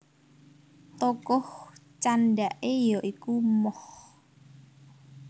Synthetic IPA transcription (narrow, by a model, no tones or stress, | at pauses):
t̪ɔkɔht͡ʃanɖaʔejɔʔikumɔh